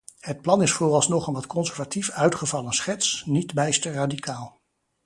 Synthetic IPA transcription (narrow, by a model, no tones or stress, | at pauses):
hət̚plɑnɪsfoːrɑlˠsnɔχənʋɑtkɔnsɛɹvatifœɥtχəvɑlənsχɛtsnitbɛjstəraːdikʰaːlˠ